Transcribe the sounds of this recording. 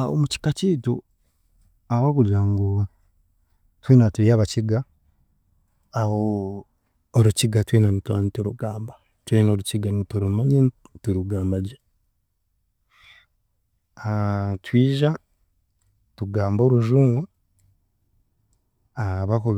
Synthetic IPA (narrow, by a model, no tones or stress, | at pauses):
ao̰muci̥kaciːtu | aβakulaːŋɡuβa | tweːnatuɾiaːβaciɡa | ho | ɾuciɡatweːnanitwanitoɾuɡaːmba | tweːnoɾuciɡanitoɾumaɲentuɾuɡaːmbaɟe | atwiːʒa | tuɡaːmbo̞ːɾuʒuːŋɡwa | aβaku